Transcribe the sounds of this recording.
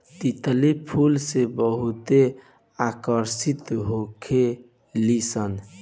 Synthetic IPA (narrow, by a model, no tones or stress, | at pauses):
t̪it̪lipʰulsebəɦut̪e | akəɾsit̪ɦokʰe | lisən